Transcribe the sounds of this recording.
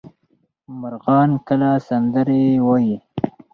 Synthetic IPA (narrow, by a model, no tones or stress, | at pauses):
mʊɾɣɑːnkəlasand̪əɾewaji